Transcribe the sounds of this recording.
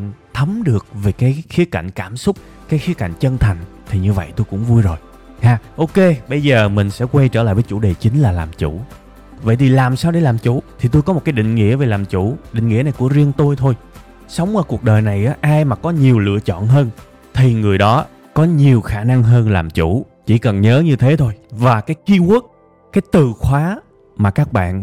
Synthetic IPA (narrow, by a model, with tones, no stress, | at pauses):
t̪ʰə˨˦mɗɨ˨˩ək̚ve˨˩jkaː˨˦jxi˨˦əka˧˨jŋ̟kaː˧˩msʊ˦˥k͡p̚ | kaː˨˦jxi˨˦əka̰˧˨jŋ̟t͡ɕə˧nt̪ʰa˨˩jŋ̟t̪ʰi˨˩ɲɨ˧və̰˧˨jt̪o˧jkʊ̰˧˥ŋ͡mvu˧jzo˨˩j | haː˧˩ʔo˧ke˧ɓə˧jzəː˨˩mï˨˩ŋ̟sɛ̰˧˥kwa˧jt͡ɕəː˧˩la̰ː˧˨jvəː˨˦t͡ɕu˧˩ɗe˨˩t͡ɕï˨˦ŋ̟laː˨˩laː˨˩mt͡ɕṵ˧˩ | və̰˧˨jt̪ʰi˨˩laː˨˩msaː˧wɗe˧˩laː˨˩mt͡ɕṵ˧˥t̪ʰi˨˩o˧jkɔ˨˦mo˨˩t̚kaː˨˦jɗḭ̈˧˨ŋ̟ŋḭ˧˥əve˨˩laː˨˩mt͡ɕu˧˩ɗḭ̈˧˨ŋ̟ŋḭ˧˥əna˨˩jku˧˩əzi˧ənt̪o˧jt̪ʰo˧j | sə˨˦wŋ͡mʔaː˧˦ku˨˩k̚ɗəː˨˩jna˨˩jʔaː˨˦ʔaː˧jmaː˨˩kɔ˨˦ɲi˨˩əwlɨ̰˧˨ət͡ɕɔ̰˧˨nɦəː˧n | t̪ʰi˨˩ŋɨ˨˩əjɗɔ˨˦ | kɔ˨˦ɲi˨˩əwxaː˧˩na˧ŋɦəː˧nlaː˨˩mt͡ɕṵ˧˩˥ | t͡ɕḭ˧˩kə˨˩nɲəː˨˦ɲɨ˧t̪ʰe˨˦t̪ʰo˧jvaː˨˩kaː˨˦jki˧ʔu˦˥ək̚ | kːaː˨˦jt̪ɨ˨˩xwaː˨˦ | maː˨˩kaː˦˥k̚ɓa̰ː˧˨n